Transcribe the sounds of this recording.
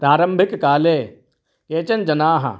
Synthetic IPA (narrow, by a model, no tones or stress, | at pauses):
pɾaːɾəmbʱɪkːaːleː | keːt͡ʃɐnd͡ʒɐnaːɦɐ̰